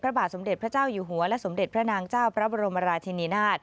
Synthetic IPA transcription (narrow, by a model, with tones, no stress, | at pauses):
pʰɾa˦˥baː˨˩t̪̚so˩˦mde˨˩t̪̚ʰɾa˦˥t͡ɕaː˥˩wjuː˨˩ɦu˨˩˦ɐlɛ˦˥ʔso˩˦mde˨˩t̪̚pʰɾa˦˥naː˧˩ŋt͡ɕaː˥˩wpʰɾa˦˥bɔː˧ɾo˧mːa˧ɾaː˧t͡ɕʰi˧niː˧naː˥˩t̪̚